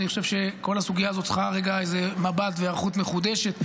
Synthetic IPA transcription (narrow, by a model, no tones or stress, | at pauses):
niχoʃe̞vʃe̞ko̞lasuɡijaːzo̞t̪t͡sχaʁeɡaezemabat̪veaʁχut̪meχud̪eʃe̞t̪